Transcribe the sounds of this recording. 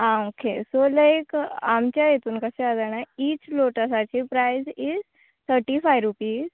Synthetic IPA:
ãokʰesolajkamt͡ɕjajet̪uːnkəsead̪anaiːt͡ɕloʈəsat͡ɕipɾajziz | t̪ʰəɾʈifajɾupiːz

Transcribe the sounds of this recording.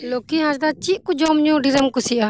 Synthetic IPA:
lokiɦãsd̪at͡ʃiʔkud͡ʒɔmɲũɖiɾəmkusia

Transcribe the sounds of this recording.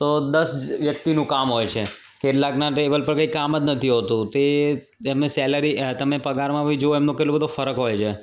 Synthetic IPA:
t̪od̪əsʋjək̚t̪inũkamɦojt͡ʃʰe | keʈlaknaʈeʋəlpəɾkəikaməd͡ʒ̪nət̪ʰiɦot̪ũt̪e | emesɛləɾit̪əmepəɡaɾmãʋid͡ʒooemnõkeʈlobəd̪ofəɾəkɦojt͡ʃʰe

